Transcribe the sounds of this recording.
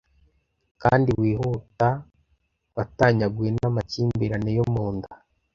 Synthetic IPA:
kaːndiwiːhuta | wataɲaɡwenamaciːmbiɾanejomuːnda

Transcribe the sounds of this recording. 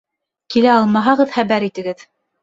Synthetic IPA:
kilæɑlˠmɑɦɑʁɤðχæβæɾit̪ɘ̆ɡɘð

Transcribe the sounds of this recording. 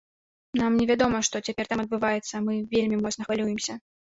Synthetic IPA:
namnʲɛvʲad̪ɔmɐʂt̪ɔt͡sʲapʲɛrt̪amɐd̪̚bɨvajɛt̪sːɐmɨvʲelʲmʲimɔt̪snɐxvalʲujɪmsʲɐ

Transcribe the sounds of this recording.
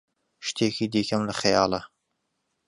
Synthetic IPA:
ʃt̪ʰeːkiːd̪iːkɐmlɐxɐjɑːlˠɐ

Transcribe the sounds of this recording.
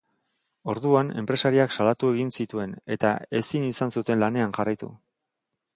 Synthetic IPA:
o̞ɾðuane̞̰mpɾe̞saɾiaksalat̪ue̞ɣinsit̪ue̞ne̞t̪a̰e̞sinisansut̪e̞nlane̞anʝarajt̪ṵ

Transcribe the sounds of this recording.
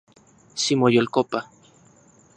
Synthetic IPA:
simojolkopa

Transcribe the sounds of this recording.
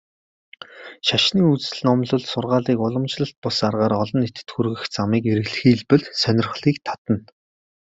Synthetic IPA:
ʃaʃniːut͡sɘ̆ɮnɔmɮʊ̆ɮsʊrʁaːɮiːkʊɮə̆mt͡ɕɮə̆ɬt̪̚pʊsarʁaːɾɔɮɞ̆net̪ɘ̥̆t̪xuɾɣɘ̆xt͡samiːkeɾɘ̆ɣɮɘ̆xiːɮpɘ̆ɮsœnʲɪ̆rχɮiːkt̪ʰḁt̪ə̆n

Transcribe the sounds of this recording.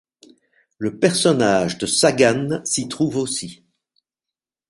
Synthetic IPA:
ləpɛʁsɔnaʒd̪əsaɡansit̪χuvosi

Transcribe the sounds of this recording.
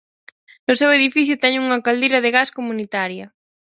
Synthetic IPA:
nʊseweðifiθjʊt̪ɛɲuŋɐkald̪ejɾɐðɪɣaskomunit̪aɾjɐ

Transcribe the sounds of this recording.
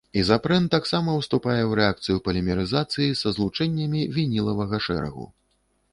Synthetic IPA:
izapɾɛnt̪ːaksamɐwst̪upajɛwɾɛakt̪sɨjupɐlʲɛmʲɛɾɨzat̪sɨjisɐzlˠut͡ʂɛnʲːɐmʲivʲinʲilˠɐvɐɣɐʂɛ̰ɾɐ̰ɣṵ

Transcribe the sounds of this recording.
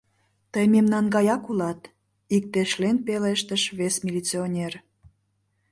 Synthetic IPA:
t̪əjmemnɑnɡɑjɑkulɑt̪ | ik̚t̪eʃlenpeleʃt̪əʃβesmʲilʲit͡sionʲer

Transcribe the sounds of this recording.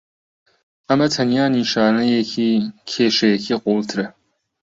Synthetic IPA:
amɐtʰɐnjaːniʂaːnɨjekʲikʲʰeːʂɐjekʲiqʷʼowltʰrɐ

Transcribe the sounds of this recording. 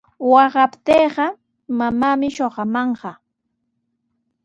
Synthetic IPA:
wɑɢɑpt̪eːɢɑ | mamaːmɪʃoɢɑmɑɴɢɑ

